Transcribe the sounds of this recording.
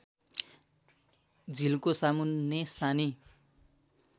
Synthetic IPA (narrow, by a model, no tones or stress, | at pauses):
d͡zʱilkosamunːesani